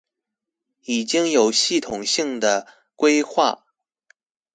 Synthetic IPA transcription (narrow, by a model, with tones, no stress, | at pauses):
i˨˩t͡ɕi˥ŋjo˨˩ʊɕi˥˩t̪ʰʊ˨˩ŋɕi˥˩ŋd̪ə˩ | kwe˥ɪxwa̰˥˩